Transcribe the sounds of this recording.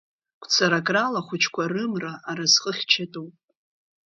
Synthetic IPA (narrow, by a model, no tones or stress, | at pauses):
kʷʰʼt͡sʰaɾakʼralaχʷʊt͡ʃʰkʷʰarɨmraʔːɾazqʼəχʲt͡ʃʰatʼowpʼ